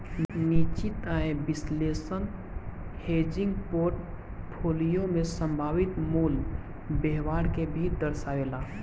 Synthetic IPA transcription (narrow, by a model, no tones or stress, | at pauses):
niːt͡ʃit̪aẽbɪsleːsən | heːd͡ʒɪ̃ŋɡpoːɾʈ | pʰoːlijomesə̃mbʱaːʋɪt̪muːl | beɦwaːɾkebʱiːd̪əɾsaʋelaː